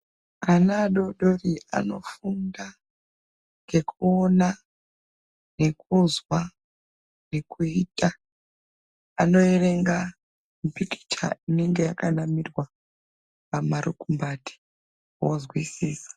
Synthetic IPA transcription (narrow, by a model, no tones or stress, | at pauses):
anaɗo̞ɗo̞ria̰no̞funda | ŋɡe̞kʰuona | ne̞kuzwa | ne̞kuiːta | ano̞ere̞ŋɡa | mupiki̥t͡ʃa̰ine̞ŋɡe̞jakanamirwa | pamaɾukumbati̥ | wozwisiːsḁ